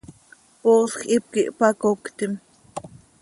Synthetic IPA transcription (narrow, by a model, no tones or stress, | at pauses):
poːsxʔip̚kiʔpɑkokt̪im